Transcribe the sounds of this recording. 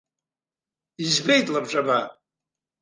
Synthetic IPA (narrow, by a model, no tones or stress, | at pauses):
izbejtʼlabʈ͡ʂʼaba